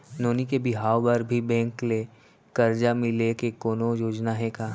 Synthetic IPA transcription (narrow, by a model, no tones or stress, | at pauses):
noːnikebɪɦaːwbəɾbʱibɛ̃ːŋkle | kɐɾd͡ʒamɪlekekoːnojoːd͡ʒnaɦɛkaː